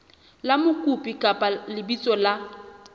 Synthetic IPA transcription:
lamʊkʼupʼikʼapʼalɪbit͡sʼɔla

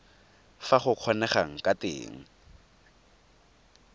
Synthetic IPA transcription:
faχʊq͡χʰɔnɛχaŋ̩kʼatḛːŋ̩

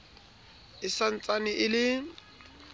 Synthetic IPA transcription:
ɪsan̩t͡sʼanɪʔɪlɪ

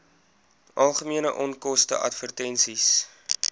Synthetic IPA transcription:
ʔɐlˠχəmiənəʔɔnkɔstə̰ʔɐ̰tfərtɛnsis

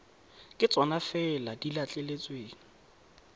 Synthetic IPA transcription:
kʼɪt͡sʼwanafɛladilat͡ɬʼelet͡sʼweːŋ̩

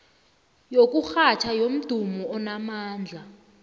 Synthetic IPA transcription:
jok̬ʼuxat͡ʃʰajom̩d̥ʱumɔɔnamaːnd͡ɮʱa

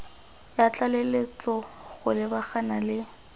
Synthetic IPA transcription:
jat͡ɬalelet͡sɔɣʊlɪbaχanalɪ

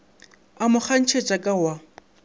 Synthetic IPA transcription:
amʊk͡xʰan̩t͡ʃʰet͡ʃʼakʼawa

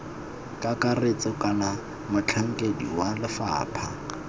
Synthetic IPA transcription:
kʼakʼaret͡sʼɔkʼala | mʊt͡ɬʰaŋ̩kʼedḭwalɪfa̰ːpʰa

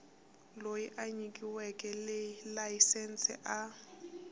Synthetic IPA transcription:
loiʔaɲikʼiwɛkʼɛlelaisɛn̩sɛ̰ʔa

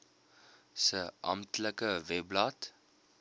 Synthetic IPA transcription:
səʔɐ̰mtləkəvɛblat

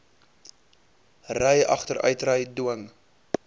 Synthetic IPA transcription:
rəjɐ̰χtəɾœ̰ɥtrəjduəŋ

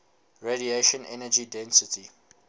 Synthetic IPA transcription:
ɹeɾieʃə̃nɛ̰nəd͡ʒidɛ̃nsɪtʰi

